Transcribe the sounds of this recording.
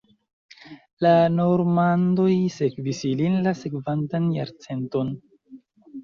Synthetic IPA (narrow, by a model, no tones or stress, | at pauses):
lano̞ɾmando̞jse̞kvisilinlase̞kvantanja̰ɾt͡se̞nto̞n